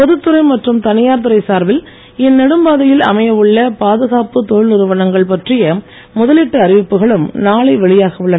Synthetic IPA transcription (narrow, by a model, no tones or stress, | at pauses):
pɔðɯt̪ːɯɾɐɪmɐʈrɯmt̪ɐnɪjaːɾt̪ɯɾɐɪsaːɾʋɪl | ɪnːɛɽɯmbaːðɐjɪlɐ̰mɐjɐʋɯɭːɐpaːðɐɣaːpɯt̪oːɭʊɾɯʋɐnɐŋɡɐɭpɐʈrɪjɐ | mʊðɐlɪʈːɐɐɾɪʋɪpːɯɣɐɭɯmnaːɭɐɪʋɛɭɪjaːɣɐʋɯɭːɐ